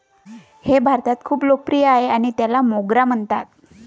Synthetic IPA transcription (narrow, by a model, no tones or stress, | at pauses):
hebʱaɾt̪at̪kʰuːplopɾijaɦeaɽ̃it̪jalamoɡɾam̤əɳt̪at̪̚